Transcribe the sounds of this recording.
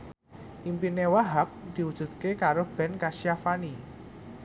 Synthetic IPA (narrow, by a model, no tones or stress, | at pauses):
ʔimpinewaɦap̚d̪̥i̤wudʒ̥ṳt̪̚kekaɾob̥ɛ̤nkasiafani